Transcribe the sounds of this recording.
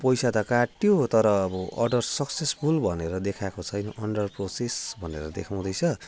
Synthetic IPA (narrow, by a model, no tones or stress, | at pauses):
pʌjsat̪ʌkaʈjot̪ʌɾʌːbʌʔʌ̰rɖʌrsʌksesbulbʱʌneɾʌd̪ekʰakot͡sʰʌjnʌʔʌɳɖʌrprosesbʱʌnḛɾʌd̪ekʰaw̃d̪ʌjt͡sʰʌ